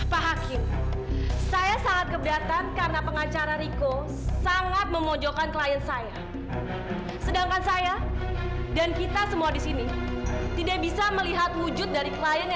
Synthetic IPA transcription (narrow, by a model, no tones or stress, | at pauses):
paɦakɪn | sajasaŋat̪̚kəbat̪ankaɾənapəŋat͡ʃaɾaɾiko | saŋat̪̚məmod͡ʒokankəlajənsaja | sədaŋkansaja | dankit̪asəmuadisini | t̪idak̚bisaməliɦat̪̚mud͡ʒʊt̪̚daɾikəlajanj